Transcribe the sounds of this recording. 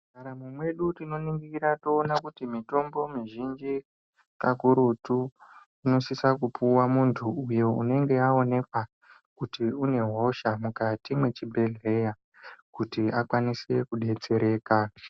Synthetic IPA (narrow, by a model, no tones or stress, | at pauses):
kaɾamumwe̞ɗutino̞niŋɡikiɾato̞ːnakutimito̞mbo̞miʒind͡ʒi | kakuɾutu | ino̞sisakupuwamuntʰuujo̞ṵne̞ŋɡe̞ao̞ne̞kwa | kutiune̞ɦoʃamukatimwe̞t͡ʃibʱe̞ɮe̞ja | kutiakwanise̞kuɗe̞t͡se̞ɾe̞ːka